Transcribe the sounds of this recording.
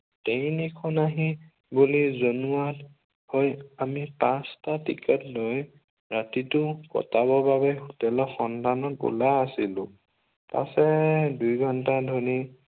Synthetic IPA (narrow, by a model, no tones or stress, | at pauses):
tenikʰɔnaɦi | bulizonuat | hojamipãstatḭkɛtloj | ɹatitʊkɔ̰taβɔbabɛxutɛlɔxɔntanɔtṵlajasilʊ̰̃ | pa̰sɛdujɡʱɔntadʱɔni